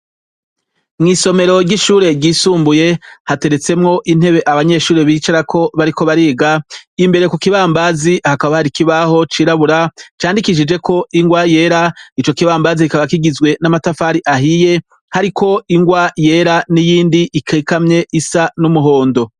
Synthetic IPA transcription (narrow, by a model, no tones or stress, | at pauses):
mŋiːso̞me̞ɾo̞ɾɟiʃuːɾe̞ɟiːsuːmbuje̞hate̞ɾe̞t͡se̞mŋo̞ʔin̥he̞βe̞ʔaβaɲe̞ʃuːɾeβiːt͡ʃaɾakʰo̞βaɾiko̞βaɾiːɡaimbe̞ɾekukiβaːmbazihakaβahaɾikiβaho̞t͡ʃiːɾaβuɾat͡ʃaːndikiʃid͡ʒe̞kʰo̞iŋɡwaje̞ːɾait͡ʃo̞kiβaːmbaziikaβakiɡizɡwe̞namatafaɾiʔaɦije̞ | haɾikʰo̞iŋɡwaje̞ɾanijiːndiʔikʰekamɲe̞ʔisanumuɦo̞ːndo̞